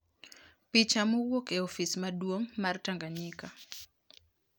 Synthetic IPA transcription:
pit͡ʃamowokeofismadwomːartaŋɡaɲika

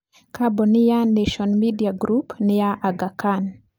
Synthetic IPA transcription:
kabɔnɪjaneʃɔnmidiaɡɾupnɪjaʔaɡakan

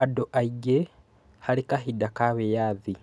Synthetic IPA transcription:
adoʔaiɡe | halikaɦidakaβejaːði

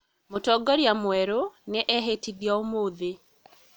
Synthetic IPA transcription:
motɔɡɔɾjamwɛɾoneʔɛɦetidjaomoðe

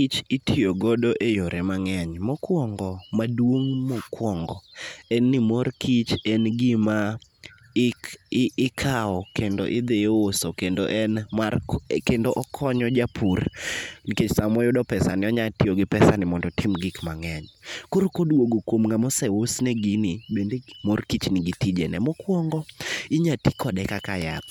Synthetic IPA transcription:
it͡ʃɪtʰioɡɔdoʔejoɾʔemaŋɛɲmɔkwɔŋɡɔmadwoŋmɔkwɔŋɡɔɛnːɪmorkit͡ʃɛnɡɪma | ɪkʰaɔkendo̰ʔɪd̪ejosokendo̰ʔɛnmarkendoʔɔkʰɔɲɔd͡ʒapʰurniket͡ʃsamɔjʊdɔpɛsanɪɔɲatɪoɡɪpɛsanɪmɔndɔtɪmɡikmaŋɛɲkoɾokodwoɡokwomŋamɔsɛwosnɛɡinibendemorkit͡ʃnɪɡitid͡ʒenɛmɔkwɔŋɡɔɪɲatikʰɔdɛkakaja̰t̪

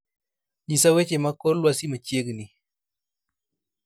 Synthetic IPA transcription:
ɲisawet͡ʃemakolwasimət͡ʃieɡɨni

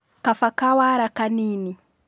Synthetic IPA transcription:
kafakawaɾakaniːni

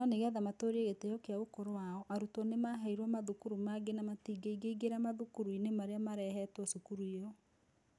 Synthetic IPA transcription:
ɔneɣɛðamatoːɾeɣetejɔkeaokoɾowaɔʔaɾutɔnemaɦaiɾwɔmaðukuɾumaɡenamatiɡeiɡeiɡeɾamaðukuɾuinemaɾeamaɾɛɦɛtwɔsukuɾuiɔ

